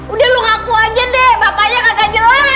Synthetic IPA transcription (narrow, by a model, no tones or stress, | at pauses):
udɛluŋakuaɡiandɛbapaɲaŋaɡad͡ʒəla